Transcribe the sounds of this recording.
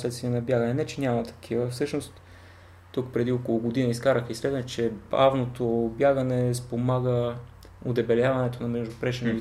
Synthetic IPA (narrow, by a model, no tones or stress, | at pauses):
slɛt̪st̪viɛnɐbjaɡənɛnɛt͡ʃɛnʲamɐt̪ɐ̥kʰivəfsɤʃnost̪ː | ukpɾɛd̪iokolˠʊɡod̪inəiskaɾəxisvɛt̪nət͡ʃɛba̰vnot̪objaɡənɛspomaɡə | od̪ɛbɛljavɐnɛt̪onɐmɛʒd̪opɾɛʃɛni